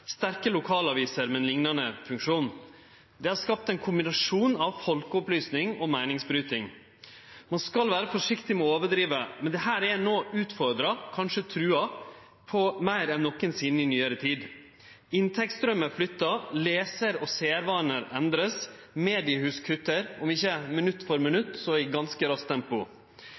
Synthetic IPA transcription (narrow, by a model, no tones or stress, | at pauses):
st̪æɾkəlʊkʰɑːlɑʋiːsəɾmɛnlɪŋnɑnəfʉŋkʂuːn | d̪ɛhɑɾʂkɑp̚t̪ɛnkʰʊmbɪnɑʂuːnɑʋfɔlkəɔplyːsnɪŋɔmæɪnɪŋsbɾyːt̪ɪŋ | mɑnskɑlʋæːɾəfɔʂɪkt̪ɪmɛɔoːʋəɖɾiːʋəmɛnd̪ɛhæːɾɛnoːʔʉːt̪fɔɾd̪ɾɑkʰɑnʂət̪ʰɾʉːɑ | pʰɔmæɪɾɛnːɔkːənsiːd̪n̩ɪnyːəɾət̪ʰiːd̪ | ɪnt̪ʰɛk̚t̪st̪ɾœməɾflʏt̪ːɑleːsəɾɔseːæɾʋɑːnəɾɛnd̪ɾəs | meːd̪ɪəhʉːskʰɾʏt̪ːəɾɔmɪçːəmɪnʉt̪ːfɔɾmɪnʉt̪ːsɔɪɡɑnskəɾɑst̪ʰːɛmpʊ